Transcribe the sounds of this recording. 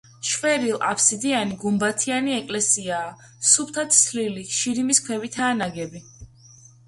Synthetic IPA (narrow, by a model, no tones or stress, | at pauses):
ʃvɛɾilˠa̰pʰsid̪ianiɡumbat̪ʰianiɛkʼlɛsiaː | sup̚ʰt̪ʰat̪sʰliliʃiɾimiskʰwɛvit̪ʰaːnaɡɛbi